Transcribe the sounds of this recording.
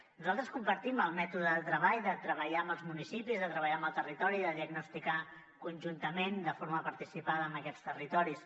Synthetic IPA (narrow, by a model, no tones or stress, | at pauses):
nuzalˠt̪ɾəskumpəɾt̪iməlˠmɛt̪uðəðət̪ɾəβaʎðət̪ɾəβəʎaəmbəlˠzmunisipizðət̪ɾəβəʎaəmbəlˠt̪ərit̪ɔɾiðəðiəɡnust̪ika | kunʲʒunt̪əmend̪əfoɾməpəɾt̪isipaðəːmbəkɛt͡st̪ərit̪ɔɾis